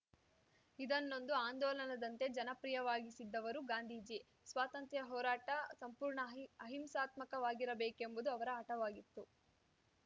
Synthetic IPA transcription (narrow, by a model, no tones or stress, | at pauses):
id̪ɐnːo̞nd̪uaːnd̪ɔːlɐnɐd̪ɐnt̪e̞d͡ʒɐnɐpɾijɐʋaːɡisid̪ːɐʋɐɾuɡaːnd̪ʱiːd͡ʒi | sʋaːt̪ɐnt̪jɐɦɔːɾaːʈɐsɐmpuːɾɳɐɐɦimsaːt̪mɐkɐʋaːɡiɾɐbeːkembud̪uɐʋɐɾɐːʈɐʋaːɡit̪ːu